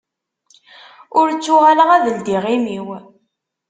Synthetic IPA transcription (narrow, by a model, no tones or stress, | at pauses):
ʊɾt͡sːʊʁaləʁæðəld̪iʁimiw